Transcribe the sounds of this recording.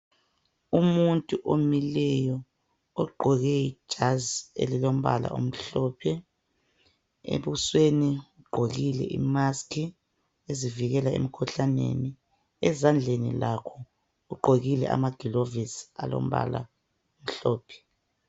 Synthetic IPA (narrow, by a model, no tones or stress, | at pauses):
umuntʼuʔomilɛjɔ | ɔɡ͡ǃʱɔɣɛid̥ʒ̥ʱaziḛlilom̩βa̰la̰ʔo̰m̩ɬɔːpʰɛ | ḛβusweniuɡ͡ǃʱoɣilɛ̰ʔḭmaskʰi | eziviɣɛlaḛm̩kʰuɬanḛni | ɛzand͡ɮʱenḭlakʰɔ | uɡ͡ǃʱoɣilɛ̰ʔa̰maɡ̥ʱilovisalo̰m̩βa̰la̰ | om̩ɬɔːpʰɛ̥